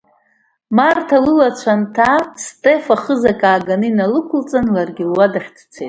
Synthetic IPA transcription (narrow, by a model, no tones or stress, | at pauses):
martʰalɨlat͡ɕʷʰantʰastʼefaχəzakʼaːɡanɨinalɨkʷʰʊlt͡sʼanlarɡʲilwadaχʲt͡sʰt͡sʷʰet